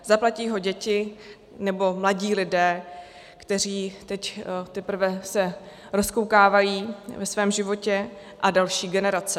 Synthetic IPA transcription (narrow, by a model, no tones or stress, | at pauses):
zaplaciːɦo̞ɟɛcɪ | nɛbo̞mlaɟiːlɪdɛː | kt̪ɛr̝iːt̪ɛct̪ɛpɾ̩vɛsɛ | ɾo̞skowkaːvajiːvɛsvɛːmʒɪvo̞cɛ | ʔadalʃiːɡɛnɛɾat͡sɛ